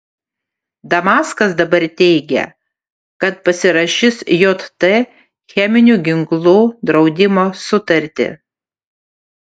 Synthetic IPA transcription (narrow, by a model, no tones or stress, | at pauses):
d̪ɐmɑːskɐsd̪ɐbɐɾt̪ʲɛɪɡʲɛ̰ | kɐt̪pɐsʲɪɾɐʃʲɪsjot̪t̪ɛ | xʲɛmʲɪnʲuːɡʲɪŋklˠuːd̪ɾɒʊd̪ʲɪmoːsʊt̪ɐɾʲt̪ʲɪ̰